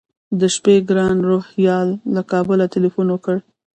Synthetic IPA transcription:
d̪əʃpeɡɾɑnɾohjɑlːakɑbəlat̪ɪlifunwəkəɽ

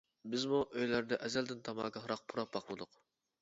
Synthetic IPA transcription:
bɪzmuʔøjlæɾd̪ɛʔɛzæld̪ɪnt̪ʰɑmɑ̰ːkʲɑhɾɑq̚pʰuɾɑp̚bɑqmɨd̪ʊq

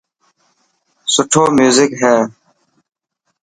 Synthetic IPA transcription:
sʊʈʰoːmjuːzɪkɦɛː

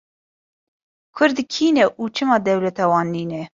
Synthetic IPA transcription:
kʰʊɾd̪kʰiːnɛʔuːt͡ʃʰɨmɑːd̪ɛwlɛt̪ɑːwɑːnːiːnɛ

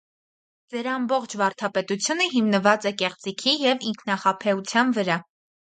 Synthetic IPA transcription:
d͡zɛɾɑmbɔχt͡ʃʰvɑɾt̪ʰɑpɛt̪ut͡sʰjunəɦimnəvɑt͡sɛkɛχt͡sikʰijɛviŋkʰnɑχɑpʰɛut͡sʰjɑnvəɾɑ

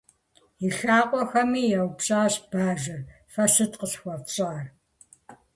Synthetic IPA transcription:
jiɬaːqʷʼɔxɐmiːjɐwpɕʼaːɕb̥aːʒɨr | fɐsɨtqəɕxʷɔrɕʼaːr

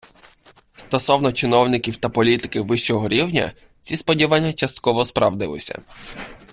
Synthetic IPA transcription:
st̪ɔsɔwnɔt͡ʃɪnɔwnɪkʲiwt̪ɐpɔlʲit̪ɪ̥kɪʋɪʃt͡ʃɔɦɔɾʲiwnʲɐ̰ | t͡sʲispɔdʲiʋanʲːɐt͡ʃɐst̪̚kɔʋɔspɾʔɐ̰wd̪ɪ̰lˠɪ̰sʲɐ̰

